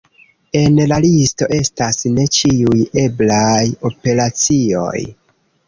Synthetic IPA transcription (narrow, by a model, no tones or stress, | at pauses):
e̞nlalisto̞ʔe̞stasne̞t͡ʃiuje̞blajo̞pe̞ɾat͡sio̞̰j